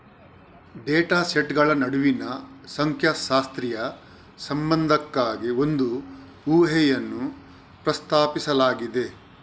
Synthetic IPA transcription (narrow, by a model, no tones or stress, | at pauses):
ɖɛːʈaːseʈɡɐɭɐnɐɽuʋinɐsɐŋkʰjaʃaːst̪ɾijɐ | sɐmbɐnd̪ʱɐkːaːɡio̞nd̪u | uːɦɛjɐnːu | pɾɐst̪aːpisɐlaːɡid̪e̞